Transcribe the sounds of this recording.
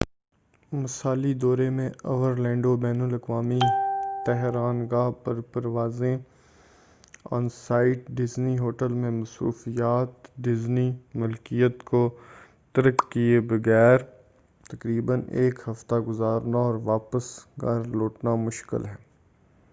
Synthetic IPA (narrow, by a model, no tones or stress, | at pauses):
mɐsaːlid̪ɔːɾemẽɐʋəɾlɛ̃ːɳɖobɛːnʊlɐkʋaːmit̪ɛɦɾaːnɡapɐɾpɐɾʋaːzẽ | ɔ̰̃ːnsaːɪʈɖɪzniɦoːʈəlmẽmɐsṵːfijaːt̪ɖɪznimʊlkijət̪ko | t̪ɐɾəkːiebɐɡɛːɾ | t̪ɐkɾiːbəneːkhɐft̪aɡʊzaːɾnaɔːɾʋaːpəsɡɐɾloːʈnamʊʃkɪ̰lɦɛː